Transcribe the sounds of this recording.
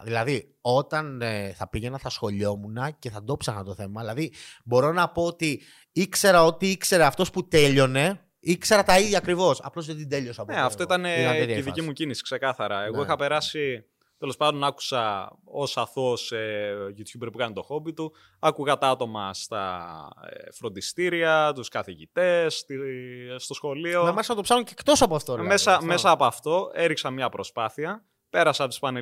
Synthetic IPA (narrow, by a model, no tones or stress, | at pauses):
ðilɐði | o̞t̪ɐneθɐpiʝe̞nɐθɐsxo̞ʎo̞munɐce̞θɐd̪o̞psɐxnɐt̪o̞θe̞mɐðilɐðibo̞ɾo̞nɐpoot̪i | ikse̞ɾɐo̞t̪iikse̞ɾeɐft̪o̞sput̪e̞ʎo̞ne̞ | ikse̞ɾɐt̪ɐiðʝɐːkɾivo̞sɐ̰plo̞zðed̪id̪e̞ʎo̞sɐpneɐft̪o̞it̪ɐneiðiimucinisi̥kse̞kɐθɐɾɐeɣoixɐpe̞ɾɐsi | t̪e̞lo̞spɐnd̪o̞nɐku̥sɐo̞sɐθoseʝit̪çubɾipukɐnit̪o̞xo̞bit̪u | ɐkuɣɐt̪ɐt̪o̞mɐst̪ɐ̰ | fɾo̞nd̪ist̪iɾiɐt̪uskɐθiʝit̪e̞st̪iːt̪o̞sxo̞lio̞mɐsɐɐt̪opsɐnuɲcekt̪o̞sɐpoɐft̪omesɐme̞sɐːpoɐft̪o̞e̞ɾiksɐmɲɐpɾo̞spɐθiɐ | pe̞ɾɐsɐpt̪i̥spɐne